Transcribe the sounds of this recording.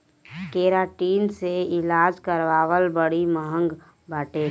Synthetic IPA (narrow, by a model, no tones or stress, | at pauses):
keːɾaːʈiːnseɪlaːd͡ʒkəɾʋaːʋəlbəɽiməɦə̃ŋɡ | bʱaʈe